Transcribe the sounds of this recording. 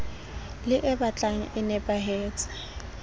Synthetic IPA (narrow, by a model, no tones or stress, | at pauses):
lɪʔɛbat͡ɬʼaŋ̩ʔɪnɛpʼaɦeːt͡sʼɪ̥